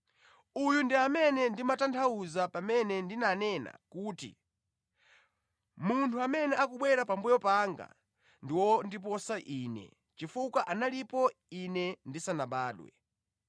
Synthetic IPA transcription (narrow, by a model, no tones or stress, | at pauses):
ujundiamɛnɛndimatantʰauzapamɛnɛndinanɛna̰kuːtḭ | muntʰuamɛnɛʔakuɓwɛɾapambɛjɔpaŋɡa̰ | ndiwɔndip̬ɔsaʔiːnɛ̰ | t͡ʃifukwaʔanalipɔinɛndisanaɓaːɗwɛ̰